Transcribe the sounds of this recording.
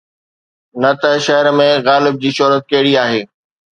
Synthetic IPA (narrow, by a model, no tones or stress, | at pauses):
nɐt̪ɐʃɐɦəɾmẽɣaːlɪb̚d͡ʑiːʃʊːɾət̪̚kɐɦɪɽiaːɦeː